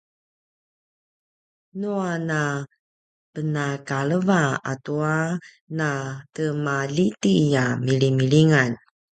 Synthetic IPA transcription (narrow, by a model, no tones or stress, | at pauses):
nuana | pənakaləvaa̰tua | natəmalitijamilimiliŋan